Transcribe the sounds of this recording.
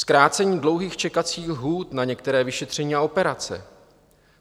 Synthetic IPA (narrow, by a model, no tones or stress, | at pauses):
skɾaːt͡sɛɲiːdlowɦiːxt͡ʃɛkat͡siːxɦuːt̪naɲɛkt̪ɛɾɛːvɪʃɛt̪r̝̥ɛɲiːao̞pɛɾat͡sɛ̰